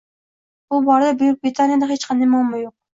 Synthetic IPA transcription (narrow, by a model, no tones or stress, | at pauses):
bubɒɾd̪abyjyk̚ʲbɾɪt̪ʰanijad̪ahet͡ʃqʰɑnd̪ajmɑlˠmajoq̚